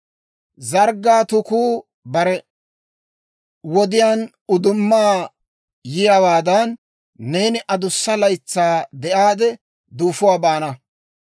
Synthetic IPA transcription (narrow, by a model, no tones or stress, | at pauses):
zɐɾɡaːt̪ʊkuː | bɐɾɛ | wɔd̪ɪjaːn | ʊd̪ʊmːaː | jɪjɐwaːd̪ɐnː | eːnɪʔɐd̪ʊsːɐlɐjt͡sːaːd̪ɛʔaːd̪ɛ | d̪uːfʊwaːbaːnɐ